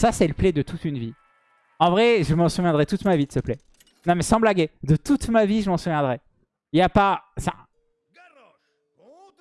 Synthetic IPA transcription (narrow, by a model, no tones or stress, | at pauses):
sasɛləplɛd̪ət̪ut̪ynvi | ɑ̃vʁɛʒəmɑ̃suvjɛ̃d̪ʁɛt̪ut̪mavisəplɛ | nɔ̃mɛsɑ̃blaɡʲed̪ət̪ut̪maviʒəmɑ̃suvjɛ̃d̪ʁɛ | iljapasɛ̰̃